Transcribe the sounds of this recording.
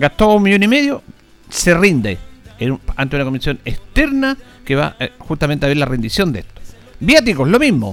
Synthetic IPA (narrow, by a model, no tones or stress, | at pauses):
ɡat̪oumːiʝonimeðjo | serind̪ḛenua̰nt̪eunakomisjo̞nekst̪eɾna | keβa̰xut̪ament̪eaβeɾlarend̪isjond̪eeht̪o̥ | bjat̪ikolomiɦmo̰